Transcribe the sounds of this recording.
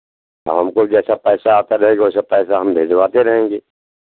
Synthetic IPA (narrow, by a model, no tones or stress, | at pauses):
ɦɐmkod͡ʒɛːsapɛːsaːt̪aɾɐɦẽːɡoːsapɛːsaɦɐmbʱeːd͡ʒwaːt̪eɾɐɦẽːŋɡeː